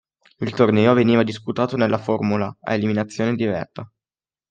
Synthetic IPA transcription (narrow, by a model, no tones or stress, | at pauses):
ilt̪ornɛːoveniːvad̪isput̪aːt̪onelːaformulaa̰eliminat̪sːjoːned̪ivɛ̰rt̪a